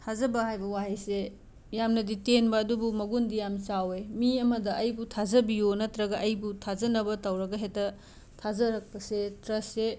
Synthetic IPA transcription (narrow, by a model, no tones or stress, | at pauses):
tʰazɐbɐhajbɐwaɦese | jamnɐditenbɐːdubumɐɡundijamsawemiɐmɐdɐʔɐjbutʰazɐbionɐtɾɐɡɐʔɐjbutʰazɐnɐbɐtɐwɾɐɡɐɦetɐ | tʰazɐɾɐk̚pɐsetɾɐsːe